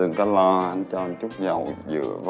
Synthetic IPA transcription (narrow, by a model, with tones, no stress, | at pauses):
ɨ˨˩ŋkɔ˨˦lɔ˧ʔa˧ŋt͡ɕɔ˧˨˧nt͡ɕu˦˥k͡p̚ɲə˨˩wzɨ̰˧˩˥əv